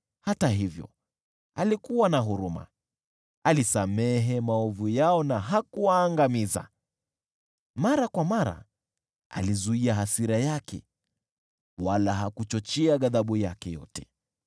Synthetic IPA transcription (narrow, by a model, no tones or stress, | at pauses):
hataɦivjɔ̰ | alikuwanaɦuɾuma̰ | alisamɛɦɛmaɔvujaɔnaɦakuwaːŋɡamiza̰ | maɾakwamaɾa̰ | a̰lizuiaɦasiɾajakɛ̰ | walaɦakut͡ʃɔt͡ʃɛaɠaðaɓujakɛjɔ̰tɛ